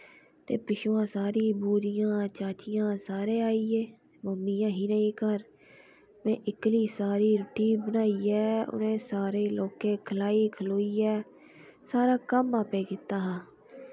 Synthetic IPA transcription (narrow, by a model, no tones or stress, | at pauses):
t̪ḛːpɪʃoːãːsaːɾiːbuːɾɪjãːt͡ʃaːt͡ʃɪjãːsaːɾeːaːiːeː | məmɪjãːɦiːnaĩːkəɾ | mɛ̃ːʔɪkliːsaːɾiːɾʊʈiːbənaːiːɛːʊ̰nẽːsaːɾeːloːkẽːkʰəlaːiːkʰəloːiːɛː | saːɾaːkəmaːpeːkɪt̪aːɦãː